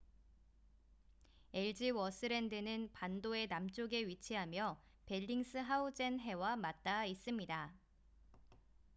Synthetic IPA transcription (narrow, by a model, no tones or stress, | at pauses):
e̞ɭd͡ʑiwʌs͈ʰɯɾe̞ndɯnɯnpandoe̞namt͡ɕ͈oɡe̞ɥit͡ɕʰiɦamjʌ | pe̞ʎːiŋs͈ʰɯɦaud͡ʑe̞nɦe̞wamat̚t͈ais͈ɯmɲida